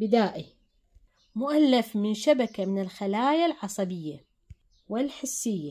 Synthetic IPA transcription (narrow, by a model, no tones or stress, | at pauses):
bɪd̪aːʔi | mʊʔalːafmɪnʃabakamɪnɪlxalaːjalʕɑsˤɑbɪjːa | wɪlħɪsːɪjːa